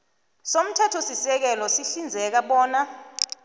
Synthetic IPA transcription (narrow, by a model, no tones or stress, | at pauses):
som̩tʰɛtʰɔsisɛk̬ɛlɔsiɬind͡zʱɛk̬aɓɔːna